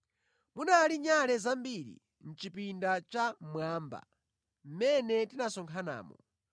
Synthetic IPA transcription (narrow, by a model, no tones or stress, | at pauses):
munaliɲalɛzambiɾḭ | n̩t͡ʃipindat͡ʃamwaːmba̰ | m̩mɛnɛtinasɔŋkʰana̰ːmɔ̰